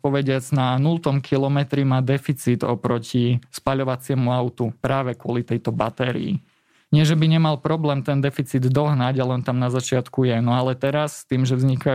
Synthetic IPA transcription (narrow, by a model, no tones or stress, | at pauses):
pɔʋɛɟɪad͡znanult̪ɔmkʰilɔmɛt̪ɾimaːd̪ɛfit͡sid̪ɔ̰pɾɔcispaʎɔʋat͡sɪɛmuaʊt̪upɾaːʋɛkʊɔlit̪ɛjt̪ɔbat̪ɛːɾḭḭ | ɲɪɛʒɛbiɲɛmalpɾɔblɛːmt̪ɛnd̪ɛfit͡siːd̪ːɔɦnaɟalɛnt̪amnazat͡ʃɪat̪kujɛnɔalɛt̪ɛɾast̪iːmʒɛvzɲika